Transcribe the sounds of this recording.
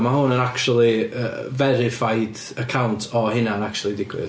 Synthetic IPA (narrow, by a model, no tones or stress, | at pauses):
maɦuːnənakt͡ʃulˠiəvɛɾɪfajd | əkʰawntʰɔhɪnaənak̚t͡ʃulˠidɪɡwɪ̰